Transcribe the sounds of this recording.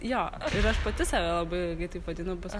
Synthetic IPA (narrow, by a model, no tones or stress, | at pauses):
joːɪɾɐʃpɐt̪ʲɪsɑːʋʲɛlˠɐbɐɪɡɐɪt̪ɐɪpʋɐd̪ʲɪnɐʊbʲɛs